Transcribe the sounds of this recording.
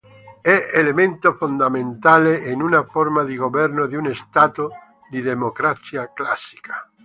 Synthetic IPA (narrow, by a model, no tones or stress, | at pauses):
ɛʔelemẽnt̪ofond̪amẽnt̪aleenunafoɾmaðiɣoβɛɾnoðiunest̪at̪o | d̪iðemokɾasjaklasi̥kʰḁ